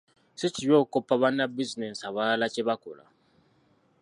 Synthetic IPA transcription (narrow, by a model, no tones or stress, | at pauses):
sit͡ʃijokopaβanːabiznɛsaβalat͡ʃebako̰la̰